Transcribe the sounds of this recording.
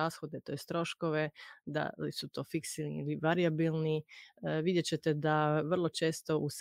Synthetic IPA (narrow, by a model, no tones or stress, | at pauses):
aːsxod̪et̪ojest̪ɾo̞ʃko̞ʋed̪a̰lisut̪o̞ːfiksilnḭiliʋaɾijabilˠniʋid̪jet͡ɕe̞t̪ed̪aʋr̩lˠo̞t͡ʃe̞ːst̪o̞ʔus